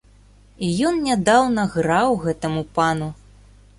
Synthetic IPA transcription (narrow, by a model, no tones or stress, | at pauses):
ijɔnnʲad̪awnɐɣɾawɣɛt̪ɐmupanu